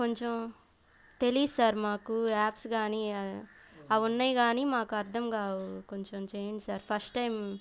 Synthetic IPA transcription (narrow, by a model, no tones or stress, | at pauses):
koɲt͡ʃom | t̪e̞liːsaːɾmaːkuaːpsɡaːniː | ɐʋunːajɡaːniːmaːkuɐɾt̪ʰɐmkaːʋukoɲt͡ʃomt͡ʃeːɳʈisaːɾpʰɐɾsʈʈɐjm